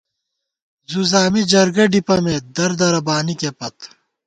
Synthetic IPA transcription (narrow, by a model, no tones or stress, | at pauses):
zuzaːmid͡ʑɐɾɡɐɖipɐmed̪ɐɾd̪ɐɾɐbaːnikepɐt̪